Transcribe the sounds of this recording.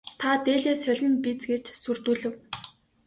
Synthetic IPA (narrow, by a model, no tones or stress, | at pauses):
t̪ʰat̪eːɮeːsœɮʲɞ̆npit͡sɡet͡ɕsur̥t̪uːɮɘ̆w